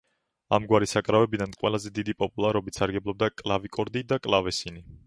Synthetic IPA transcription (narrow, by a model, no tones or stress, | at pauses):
a̰mɡwaɾisakʼɾavɛbid̪anqʼwɛlˠazɛd̪id̪ipʼɔpʼulˠaɾɔbit̪saɾɡɛblˠɔb̚d̪akʼlˠavikʼɔɾd̪id̪akʼlˠavɛsini